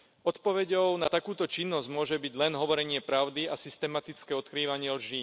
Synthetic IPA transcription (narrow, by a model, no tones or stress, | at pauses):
ɔt̪pɔʋɛɟɔʊna̰t̪akuːt̪ɔt͡ʃinːɔzɟmʊɔʒɛbiɟlɛnɦɔʋɔɾɛɲɪɛpɾaʊd̪iasist̪ɛmat̪it͡skɛːɔt̪kɾiːʋaɲɪɛlʒiː